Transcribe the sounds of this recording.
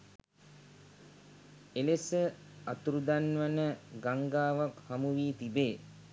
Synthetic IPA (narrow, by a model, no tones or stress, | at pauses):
elesəat̪uɾud̪anʋanəɡaŋɡaːʋakhamuʋiːt̪ibeː